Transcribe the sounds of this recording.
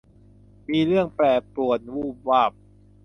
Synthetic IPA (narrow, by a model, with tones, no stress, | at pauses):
miː˧ɾɯ˥˩əŋplɛː˨˩pɾu˨˩ət̪̚wuː˥˩p̚waː˥˩p̚